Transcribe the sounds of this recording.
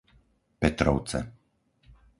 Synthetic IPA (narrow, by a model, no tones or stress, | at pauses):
pɛt̪ɾɔʊt͡sɛ̰